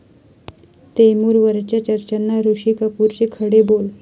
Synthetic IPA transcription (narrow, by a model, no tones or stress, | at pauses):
t̪emuːɾʋəɾt͡ɕjat͡ɕəɾt͡ɕanːaɾuɕiːkəpuɾt͡ɕekʰəɽebol